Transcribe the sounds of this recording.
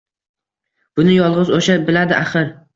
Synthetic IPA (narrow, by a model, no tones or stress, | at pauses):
b̥ʊnɪjɒlˠʁɨzoʃabɪlad̪ɪʔaχɨɾ